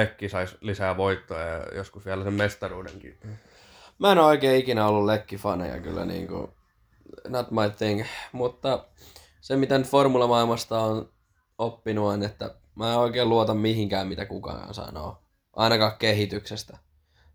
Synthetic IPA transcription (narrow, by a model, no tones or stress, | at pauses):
ekːisɑislisæːʋoit̪ːoɑ̰jɑ̰jo̰skusʋiælæsemmest̪ɑruːdḛŋkḭ | mæenoikeːikinæolːullekːifɑnḛjɑ̰ky̰lːæ̰nḭːŋkṵ | not̪mɑiθiŋkmut̪ːɑ | semit̪ent̪formulɑmɑilmɑst̪ɑon | opːinuonet̪ːæ̰ | mæːeoikeːluot̪ɑmmiɦiŋkæːmmit̪ækukɑ̰ːnsɑ̰no̰ː | ʔɑ̰inɑkɑːkkeɦit̪yksest̪æ